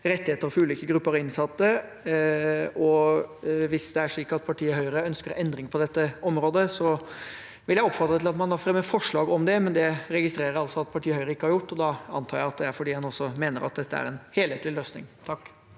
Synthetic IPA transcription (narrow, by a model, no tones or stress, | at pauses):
ɾɛt̪ːɪheːt̪əɾfɔɾʉːliːkəɡɾʉpːəɾɔɪnsɑt̪ːə | ɔ | ʋɪsd̪ɛæʂɭiːkɑt̪̚pʰɑʈʰiːəhœʏəɾəœnskəɾɛnd̪ɾɪŋpʰɔd̪ɛt̪ːəɔmɾoːd̪əsɔ | ʋɪljæɪɔpːfɑt̪ːɾət̪ʰɪlɑt̪mɑnd̪ɑfɾɛmːəfɔʂɭɑːɡɔmd̪ɛmɛnd̪ɛɾɛɡɪst̪ɾeːɾəɾɑlsɔɑt̪̚pʰɑʈʰiːəhœʏəɾəɪkːəhɑɾjʊʈːɔd̪ɑɑnt̪ʰɑːɾjæɪɑt̪̚d̪ɛæɾfɔɖiːhɑnɔsːɔmeːnəɾɑ̰t̪̚d̪ɛt̪ːəæ̰ɾɛnheːlheːt̪lɪløːsnɪ̰ŋt̪ʰɑkː